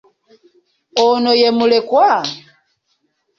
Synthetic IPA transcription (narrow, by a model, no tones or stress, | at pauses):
ɔnɔjɛmulɛkwa